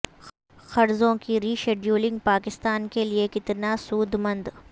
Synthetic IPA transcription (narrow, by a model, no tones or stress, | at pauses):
xɐɾzõkiɾiːʃeːɖjuːlɪ̃ŋɡ̚paːkɪst̪aːnkeliekɪt̪nasuːd̪mɐ̃nd̪